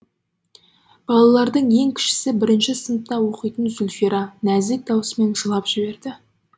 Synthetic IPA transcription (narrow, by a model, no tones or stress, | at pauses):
b̥ɑlˠɑlˠɑɾd̪əɴje̞ŋkʲʰɪ̥ʃɪ̥sɪbɪɾɪnʃɪsənəp̪̚t̪ːɑwo̞qəjt̪ənzʊlʲfeɾɑnæzet̪̚d̪ɑwəsəme̞nʒəlˠɑpʒ̥ɪbe̞ɾd̪ɪ